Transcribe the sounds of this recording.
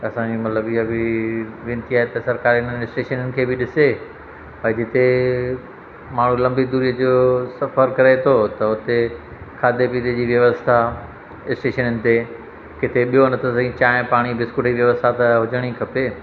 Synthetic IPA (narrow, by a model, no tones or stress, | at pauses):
ɐsãd͡ʑimɐt̪ləbiabɪʋẽːnt̪ʰiaːɦet̪ɐsɐɾkaːɾiɪn̤ənɪsʈeːʃənənɪ̆kʰeːbɪɗɪse | pɐd͡ʑɪt̪e | maːɳ̤ũlɐ̃mbid̪uːɾiːəd͡ʑosɐfəɾkɐɾet̪ʰot̪ɐʊt̪e | kʰaːd̪ʱepiːd̪ed͡ʑiːʋjɐʋəst̪ʰa | ɪsʈeːʃənənɪ̆t̪e | kɪt̪ʰeɓijonɐt̪ʰosɐĩt͡ɕaːɪ̃paːɽ̃ibɪskʊʈʰiʋjɐʋəst̪ʰat̪ɐɦʊd͡ʑəɽ̃ikʰɐpeː